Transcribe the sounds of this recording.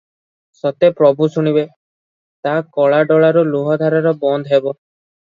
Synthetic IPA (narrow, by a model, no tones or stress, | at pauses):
sɔt̪epɾɔbusuɽ̃ibe | t̪akɔɭaɖɔɭaɾuluɦɔd̪ʱaɾaɾɔbɔnd̪ʱɦebɔ